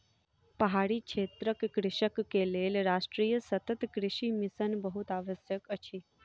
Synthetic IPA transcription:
pəɦaɽikʃet̪ɾəkkɾɪʃəkːelelɾaʂʈɾijəsət̪ət̪kɾɪʃimisənbəɦut̪aʋəsjəkət͡ʃʰiː

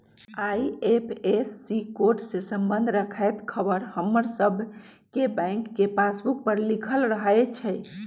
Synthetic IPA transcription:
aiepʰesːikoɾʈsesəmbənd̪ʱɾəkʰɛjt̪kʰəbəɾhəmːəɾsəbʱ | kebə̃ɪŋkːepasbuk̚pəɾlikʰəlɾəɦaet͡ʃʰɛj

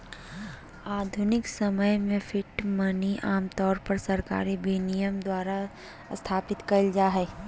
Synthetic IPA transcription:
aːd̪ʱʊnɪksɐməjmẽfʰɪʈmɐniʔaːmt̪ɔːɾpɐɾsɐɾka̰ːɾibiːnijəmd̪waːɾa | st̪ʰaːpɪt̪kɐld͡ʒaːɦɛː

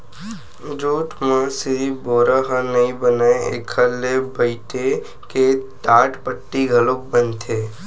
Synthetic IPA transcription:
d͡ʒuːʈmə̃siboːɾaɦənɐĩbənaḛkʰəlːebəɪʈe | ket̪aːʈpəʈːiɡʱɐlok̚bənt̪ʰeː

